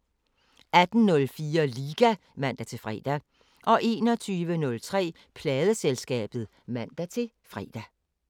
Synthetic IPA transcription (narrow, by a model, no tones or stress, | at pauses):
æd̥n̩nɔ̽lfiːɐliːɡ̥æ | mæn̰d̥æt͡sʰe̝fʁɛ̰ːd̥æ | ʔɒ̽ʔe̝ːnɒ̽t͡sʰyːʋənɔ̽lt͡sʰʁɛ̰ː | pʰlɛːðˠəselsɡ̥ɛ̰ːb̥ð̞̩ˠ | mæn̰d̥æt͡sʰe̝ | fʁɛ̰d̥æ